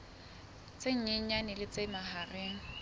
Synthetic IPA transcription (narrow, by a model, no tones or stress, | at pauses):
t͡seŋ̩ɲɪɲ̩ɲanɪlɪt͡semaɦareːŋ̩